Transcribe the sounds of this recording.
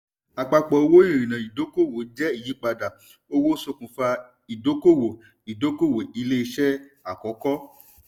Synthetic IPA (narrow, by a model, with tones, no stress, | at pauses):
a˨k͡pa˧k͡pɔ˨o˧wo˦ĩ˦˨ɾĩ˨nã˨i˨do˨˦ko˦˨wo˨˦d͡ʒɛ˦i˦˨ji˨˦k͡pa˧da˨ | o˧wo˦so˧kũ˨fa˧ | i˨do˨˦ko˦˨wo˨ | i˨do˨˦ko˦˨wo˨i˧le˦i˧ʃɛ˦a˨kɔ˨˦kɔ˦